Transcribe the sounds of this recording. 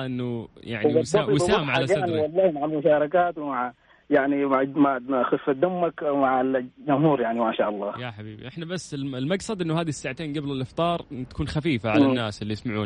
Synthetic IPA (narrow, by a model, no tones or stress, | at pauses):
ʔɪnːuja̰ʕniaːˤwsaːmʕalaaadʕniwɑlˤːɑːhmaʕalmʊʃɑːɾˤɑkaːt̪wɪmaʕa | jaʕnimaʕmaxʊfd̪amːakawmaʕad͡ʒʊmhuːɾjaʕnimaʃaːʔɑlˤːɑːjaħabḭːbḭʔɪħnabasːɪlɪlmaɡsɑd̪ʔɪnːʊhaːd̪isːaːʕat̪eːnɡablɪlʔɪft̪ˤɑːɾˤɪnt̪akuːnxafiːfaʕallanːaːsʔɪlːijɪsmaʕṵːn